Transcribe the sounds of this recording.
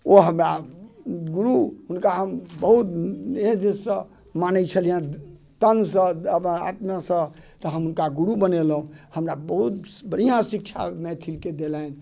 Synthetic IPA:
oɦəmɾa | ɡuɾuɦunkaɦəmbəɦut̪neɦd̪esə̃ | manət͡ʃʰəlijã | t̪ənsə̃əa̰t̪masə̃t̪ɔɦəmɦunkaɡuɾubənelɦũhəmɾabəɦut̪bəɾijãsik̚t͡ʃʰa̰met̪ʰilked̪elain

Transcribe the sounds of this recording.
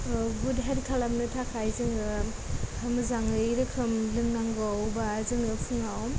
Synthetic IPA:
ɡudɦeɾkʰalamnɯtʰakʰajzɯŋɯ | hamɯzaŋɯiɾɯkʰɾɯmlɯŋnaŋɡɔwbazɯŋɯpʰɯŋaw

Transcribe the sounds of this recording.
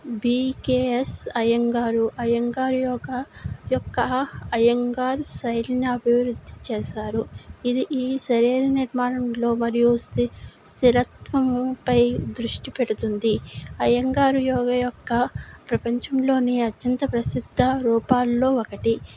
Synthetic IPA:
biːkeːesɐjɐŋɡaːɾuʔɐjɐŋɡaːɾujɔːɡɐjɔkːɐɐjɐŋɡaːɾsɐjlinɐɐbʱiʋɾud̪ʱːit͡ʃeːʃaːɾuid̪iʔiːʃɐɾiːɾɐniɾmaːnɐmlo̞ːmɐɾijust̪ist̪iɾɐt̪ʋɐmpɐjd̪ɾuʂʈipeɽut̪und̪iɐjɐŋɡaːɾujɔːɡɐjɔkːɐpɾɐpɐɲt͡ʃɐmlo̞ːniɐt̪jɐnt̪ɐpɾɐsid̪ʱːɐɾuːpaːlːo̞ːɔkɐʈi

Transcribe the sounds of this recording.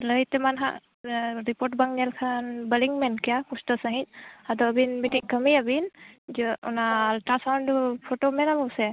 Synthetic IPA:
ləjtɛmanɦa̰ʔ | ɹipɔʈ̚baŋɲɛlkʰanbəliŋmɛnkijakustɔsaɦit̚ad̪ɔbinmitiŋkəmiabind͡ʒɔɔ̰naltasawndupʰotomɛnalɔsɛ

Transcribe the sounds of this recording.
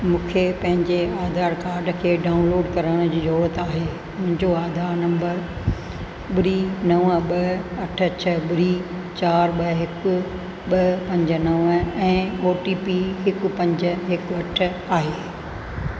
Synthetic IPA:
mũːkʰepɐ̃ɦɪ̃ɲd͡ʑeaːd̪ʱaːɾkaːɾɖkʰeːɖaːʊnloːɖkɐɾəɽ̃d͡ʑiːzoːɾət̪aːɦeː | mʊ̃ɦɪ̃ɲd͡ʑoaːd̪ʱaːɾnɐ̃mbəɾ | bɪɾiːnɐʋəɓɐɐʈʰə̆t͡ɕʰəbɪɾi | t͡ɕaːɾɓɐɦɪkʊ̆ | ɓɐpɐ̃ɲd͡ʑənɐʋɛ̃ːoːʈiːpiɦɪkʊ̆pɐ̃ɲd͡ʑə̆ɦɪkɐʈʰə̆ | aːɦeː

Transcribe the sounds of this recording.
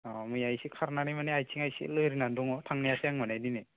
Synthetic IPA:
amɯjajsikʰaɾnanimaneajsʰiŋajsḭlɯjɾinanduŋɔtʰaŋnijasejaŋmanajdine

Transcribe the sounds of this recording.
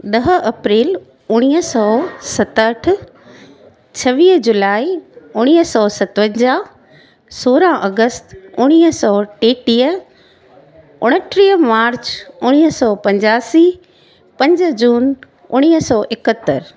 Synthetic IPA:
ɗɐɦəʔɐpɾiːl | ʊɽ̃iːəsɔːsɐt̪əʈ̆ʰ | t͡ɕʰɐʋiːɦd͡ʑʊlaːiʊɽ̃iːɦəsɔːsɐt̪ʋə̃ɲd͡ʑaː | soːɾãʔɐɡəst̪ʊɽ̃iːɦsɔːʈeːʈiːə | ʊɽ̃əʈʰɾiːmaːɾt͡ɕʊɽ̃iːɦəsɔːpɐ̃ɲd͡ʑaːsi | pɐ̃ɲd͡ʑd͡ʑuːn | ʊ̰ɽ̃iːɦəsɔːʔɪkət̪ːəɾ

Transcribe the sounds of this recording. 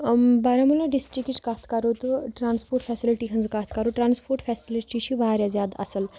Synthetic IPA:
baɾamulaɖisʈɾikːit͡ʃkat̪ʰkɐɾot̪oʈɾaːnspoːɾʈfʰɛːsiliʈiɦɐnzkat̪ʰkɐɾoʈɾaːnspʰoːɾʈfʰɛːsiliʈit͡ʃʰiʋaɾjazjaːd̪ɐ̰səl

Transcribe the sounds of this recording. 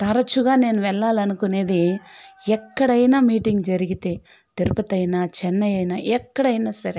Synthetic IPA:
t̪ɐɾɐt͡ʃuɡaːneːnuʋɛlːaːlɐnukuneːd̪ejɛkːɐɽɐjnɐmiːʈiŋɡd͡ʒɐɾiɡit̪e | t̪iɾpɐt̪ɐjnɐt͡ʃɛnːɐjɐjnɐʔɛkːɐɽɐjnɐsɐɾe

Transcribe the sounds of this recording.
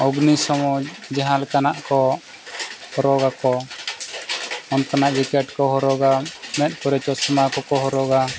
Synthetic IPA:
ɔbnisɔmɔd͡ʒd͡ʒɛɦalkanaʔkɔ | hɔɾɔɡakɔ | ɔnt̪anaʔɾɛkɛʈkɔɦɔɾɔɡamɛt̪̚ˀpɔɾɛt͡ʃɔsɔmakɔkɔɦɔɾɔɡa

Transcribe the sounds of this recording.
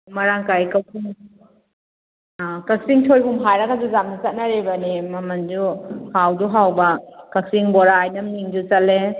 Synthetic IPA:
maɾaŋkajkapʰuŋ | akak̚siŋtʰojpʰumɦajɾakad͡ʒuzam̚nit͡ʃat̚naɾebanimamand͡ʒuhawd͡ʒuɦawbɐkak̚siŋbɔɾaːjnɐmniŋd͡ʒut͡ʃat̚le

